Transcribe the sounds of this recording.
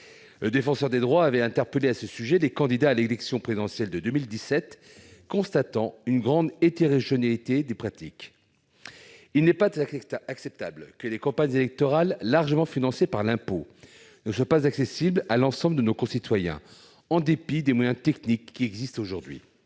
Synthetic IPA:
ləd̪efɑ̃sœʁd̪ed̪ʁwaːvɛɛ̃t̪ɛʁpəleasəsyʒɛlekɑ̃d̪id̪aːlelɛksjɔ̃pχezid̪ɑ̃sjɛld̪əd̪ømild̪isɛt̪ | kɔ̃st̪at̪ɑ̃ynɡʁɑ̃d̪et̪eʁeʒjɔnalit̪ed̪epχat̪ik | ilnɛpaaksɛp̚t̪ablkəlekɑ̃paɲzelɛk̚t̪ɔʁalːaʁʒəmɑ̃finɑ̃sepaʁlɛ̃po | nəswapazaksesiblalɑ̃sɑ̃bləd̪ənokɔ̃sit̪wajɛ̰̃ | ɑ̃d̪epid̪emwajɛ̃t̪ɛknikːiɛɡzist̪oʒuʁd̪ɥḭ

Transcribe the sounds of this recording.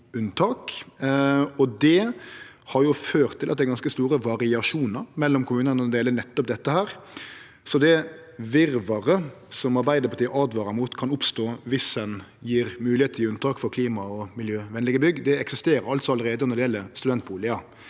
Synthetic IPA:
ʉnt̪ʰɑːk | ɔd̪ɛ | hɑɾjʊføːɾt̪ʰːɪlʔɑt̪̚d̪æɪɡɑnskəst̪uːɾəʋɑɾɪɑʂuːnəɾmɛlːɔmkʰʊmʉːnənɔd̪ɛɛlənɛt̪ːɔp̚d̪ɛt̪ːəhæːɾ | sɔd̪ɛ | ʋɪɾʋɑɾə | sɔmɑɾbæɪd̪əɾpʰɑɾt̪iːəʔɑːd̪ʋɑːɾɑmuːt̪kʰɑnʊpst̪oːʋɪsdɛnjiːɾmʉːlɪeːt̪ʰəɾʉnt̪ʰɑːkfɔɾkʰliːmɑɔmɪljøːʋɛnlɪɡəbʏɡd̪ɛɛksɪst̪eːɾəɾɑlt̪sɔɑləɾeːd̪ənɔdɖɪjɛləst̪ʉd̪ɛnt̪̚buːlɪɑ

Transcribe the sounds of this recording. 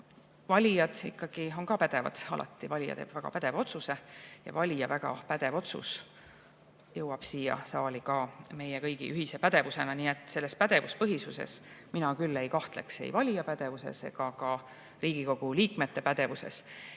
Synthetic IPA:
vɑlʲijɑd̪̥ḭkːɑɡ̥io̞nkɑpæd̪̥e̞vɑ̰d̪̥ɑ̰lʔɑ̰t̪ˑːivɑlʲijɑ̰t̪ḛb̥væɡ̥ɑ̰pæd̪̥e̞vo̞t̪suse̞jɑ̰vɑlʲijɑvæɡ̥ɑ̰pæd̪e̞vo̞t̪sṵs | jɤwɑb̥siːjɑ̰sɑːlʲikɑme̞jekɤjɡḭʔyhise̞pæd̪e̞vuse̞nɑniːet̪ːˑse̞lːe̞spæd̪e̞vuspɤɦisuse̞̰s | minɑkylːejkɑht̪le̞̰ksḛjvɑlʲijɑpæd̪e̞vuse̞̰se̞̰ɡɑkɑ | riːɡ̥iko̞ɡ̥uliːkme̞t̪ːe̞pæd̪e̞vuse̞̰s

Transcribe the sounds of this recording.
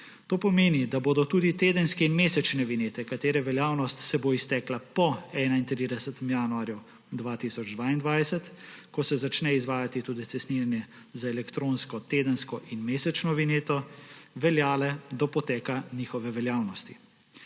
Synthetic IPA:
t̪oːpɔmeːnid̪aboːd̪ɔt̪uːd̪it̪eːd̪ənskɛinmeːsɛt͡ʃnɛʋineːt̪ɛkat̪eːɾɛʋɛljaːwnɔst̪sɛboist̪ɛːklapɔɛnaint̪ɾid̪ɛsɛt̪ɛmjaːnuaːɾju | d̪ʋaːt̪isɔd͡ʒd̪ʋaːind̪ʋaːjsɛt̪kɔsɛzat͡ʃnɛizʋaːjat̪it̪uːd̪it̪sɛst̪niːɾanjɛ | zaɛlɛkt̪ɾõnskɔt̪eːd̪ənskɔʔinmeːsɛt͡ʃnɔʋineːt̪ɔʋɛljaːlɛd̪ɔpɔt̪ɛːkanixɔʋɛʋɛljaːwnɔst̪i̥

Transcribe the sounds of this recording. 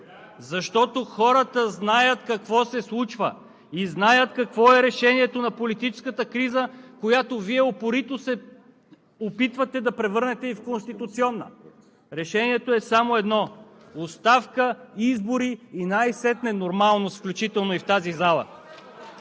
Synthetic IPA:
zɐʃt̪ɔt̪oxɔɾət̪əznajət̪kɐkvɔsɛslˠut͡ʃvə | iznajət̪kɐkvɔɛɾɛʃɛniɛt̪onɐpolit̪it͡ʃɛ̥skət̪əkɾizəkojat̪oviɛopoɾit̪osɛ | opit̪vɐt̪ɛd̪ɐpɾɛvɤɾnɛt̪ɛifkonst̪it̪ut̪siɔnːə̰ | ɾɛʃɛniɛt̪oɛsamoɛd̪nɔ | ʊst̪afkəizboɾiːnajsɛt̪nɛnoɾmalˠnosfklʲut͡ʃit̪ɛlˠnoift̪azizalˠə̰

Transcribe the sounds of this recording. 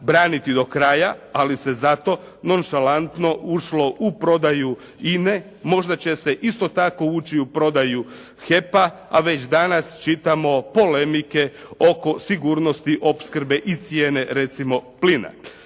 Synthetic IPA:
bɾaːnit̪id̪o̞kɾajaalise̞zat̪o̞ | no̞nʃalant̪no̞uʃlo̞ʔupɾo̞d̪aju | ine̞ | mo̞ʒd̪at͡ɕe̞se̞ʔist̪o̞t̪ako̞uːt͡ɕiupɾo̞d̪aju | xe̞paa̰ʋe̞t͡ɕd̪anast͡ʃit̪amo̞po̞le̞mike̞o̞ko̞siɡuːɾno̞st̪iʔo̞pskɾ̩be̞ʔit̪sjeːne̞ɾe̞t̪simo̞plina̰

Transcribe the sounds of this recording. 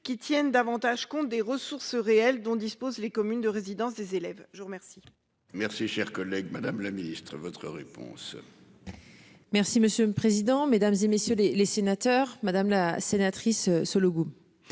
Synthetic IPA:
kʲit̪jɛnd̪avɑ̃t̪aʒkɔ̃t̪̚d̪eʁəsuʁsʁeɛld̪ɔ̃d̪ispozlekɔmynd̪əʁezid̪ɑ̃s̬d̪ezelɛvʒəʁəmɛʁsi̥ | mɛʁsiʃɛʁkɔlɛɡmad̪amlaminist̪χəvɔt̪χəʁepɔ̰̃s | mɛʁsiməsjøləpχezid̪ɑ̃med̪amzemesjølelesenat̪œʁmad̪amlasenat̪χissɔloɡu

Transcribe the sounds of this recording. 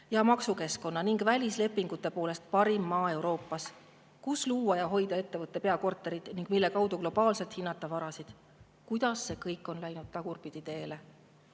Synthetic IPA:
jɑmɑksuke̞sko̞nːɑniŋɡ̥vælʲisle̞pːiŋɡ̥ut̪ːˑe̞po̞ːle̞st̪̚pɑɾimːɑːe̞wɾo̞ːpːˑɑs | kusluːɑjɑɦo̞jd̪̥ɑe̞t̪ːe̞vɤt̪ˑːe̞pe̞ɑko̞rt̪ːˑe̞ɾid̪̥niŋɡ̥milːe̞kɑwd̪̥uklo̞b̥ɑːlse̞lt̪hinːɑt̪ːˑɑvɑɾɑsid̪̥ | kujd̪̥ɑsːe̞kɤjkːˑo̞nlæjnud̪̥̚t̪ɑɡ̥urpid̪̥it̪e̞ːle

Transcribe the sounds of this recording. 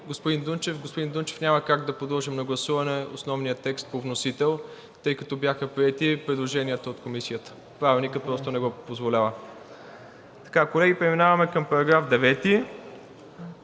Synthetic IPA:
ɡospʊd̪ind̪unt͡ʃɛfɡospʊd̪ind̪unt͡ʃɛ̥fnʲaməkaɡd̪ɐpod̪ɔlˠʒimnɐɡlˠɐsuvɐnɛo̰snɔvnijət̪ɛkst̪̚povnosit̪ɛlˠ | t̪ɤjkɐt̪ɔbjaxəpɾiɛt̪ipɾɛd̪lˠoʒɛniət̪əot̪komisiət̪ə̥ | pɾavʲilˠnikəpɾɔst̪ʊnɛɡɔpozvolʲavə | t̪ɐ̥kakolɛɡipɾɛminavɐmɛkəmpɐɾɐɡɾafd̪ɛvɛt̪i

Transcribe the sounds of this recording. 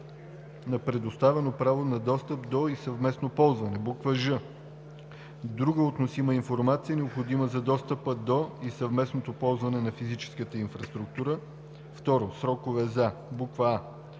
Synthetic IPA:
nɐpɾɛd̪ost̪avɛnopɾavonɐd̪ɔst̪əpd̪oisɐvmɛsnopɔlˠzvɐnɛbukvəʒə | d̪ɾuɡəot̪nosiməinfoɾmat̪siənɛopxod̪iməzɐd̪ɔst̪əpəd̪oisɐvmɛsnot̪opɔlˠzvɐnɛnɐfizit͡ʃɛ̥skət̪əinfɾɐst̪ɾuk̚t̪uɾə | ft̪ɔɾosɾɔkovɛzabukvəa

